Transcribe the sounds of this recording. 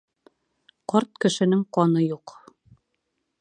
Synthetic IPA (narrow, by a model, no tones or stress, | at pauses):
qɒɾt̪̚kɘ̆ʃɘ̆nɘŋqɒnɤjuq